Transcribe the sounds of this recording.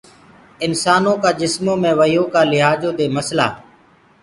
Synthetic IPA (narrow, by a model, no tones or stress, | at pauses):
ɪnsaːnõːkaːd͡ʒɪsmõːmẽːʋəjõːkaːlɪɦaːd͡ʒõːd̪eːməsla̰ː